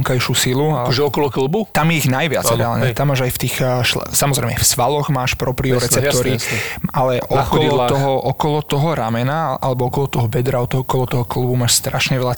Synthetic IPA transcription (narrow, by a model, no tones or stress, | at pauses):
ŋkajʃusilukɔʒɛɔkɔlɔklbut̪amjɛiɣnajʋɪa̰d͡zɾɛaːlɲɛt̪amːaːʒajft̪iːxʃlsamɔzɾɛɪmɛ̰fsʋalɔɣmaːʃpɾɔpɾiɔɾɛt͡sɛp̪̚ɔɾialɛʔɔkɔlɔt̪ɔɦɔʔɔkɔlɔt̪ɔɦɔɾamɛnaʔa̰lɛbɔɔkɔlɔt̪ɔɦɔbɛd̪ɾaɔt̪ɔɦɔkɔlɔt̪ɔɦɔklˠbumaːʃst̪ɾaʃɲɛʋɛʎa